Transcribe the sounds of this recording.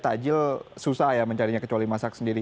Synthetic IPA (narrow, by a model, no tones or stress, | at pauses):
t̪ad͡ʒɪlsusahjaməɲt͡ʃaɾiɲakət͡ʃualimasak̚səndiɾi